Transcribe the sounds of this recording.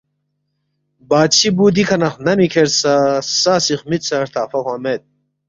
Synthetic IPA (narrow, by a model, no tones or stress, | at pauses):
baːt͡ɕʰibuːd̪ikʰɐnɐχnɐmikʰeɾsasaːsiχmisaɾt̪ʰaːfɐχwamet̪̚